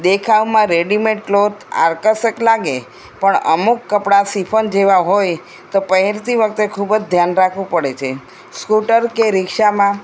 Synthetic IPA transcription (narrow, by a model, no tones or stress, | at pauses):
d̪ekʰaʋmãɾeɖimeʈ̚kloɾt̪a̰ɾkəsəklaɡe | pəɳə̰mukːəpɽasipʰənd͡ʒeʋaɦoj | t̪opəɦeɾt̪iʋəkʰt̪ekʰubd͡ʒd̪ʱjanɾakʰʋũpəɽet͡ʃʰe | skuʈəɾkeɾɪkʃamã